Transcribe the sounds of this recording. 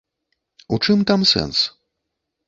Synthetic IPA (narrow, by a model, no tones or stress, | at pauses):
ut͡ʂɨmt̪amsɛ̰ns